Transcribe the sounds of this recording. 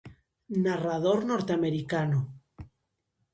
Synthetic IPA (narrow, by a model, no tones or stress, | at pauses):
naraðoɾnoɾt̪eameɾikano